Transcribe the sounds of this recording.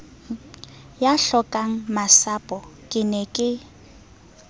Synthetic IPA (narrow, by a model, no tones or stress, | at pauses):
jaɬɔkʼaŋ̩masapʼɔkʼɪnɛkʼɪ